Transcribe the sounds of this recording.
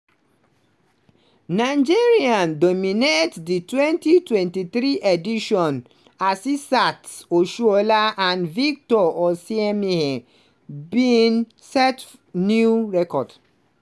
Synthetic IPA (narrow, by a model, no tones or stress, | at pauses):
naɪd͡ʒiɹiãndomĩnetditwɛ̃ntitwɛ̃ntiθɾiʔediʃɔ̃n | asisatoʃuolaãnvik̚tɔɔsiɛmĩhɛ̃ | bin | sɛt | nuɹɛkɔd̥